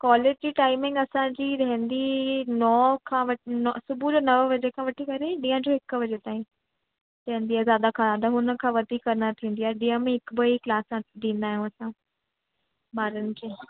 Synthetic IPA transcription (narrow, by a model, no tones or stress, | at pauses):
kwaːlɪd͡ʑʈiːʈaːɪmɪ̃ŋɡɐsãd͡ʑiɾɐɦɪ̃nd̪inɔːkʰãːʋɐʈnɔsʊbʱud͡ʑoːnɐʋəʋɐd͡ʑekʰãːʋɐʈʰikɐɾeɗiːə̃d͡ʑoɦɪkʋɐd͡ʑet̪aːĩ | ɾɐ̃ɦɪ̃nd̪iːazjaːd̪akʰãad̪aɦʊnə̆kʰãːʋɐd̪ʱikɐɾnat̪ʰĩːn̆d̪ijaːeɗĩːə̃mẽɦɪkbɐiklaːsãd̪ĩːn̆d̪aːɦijũɐsã | baːɾənɪ̆keː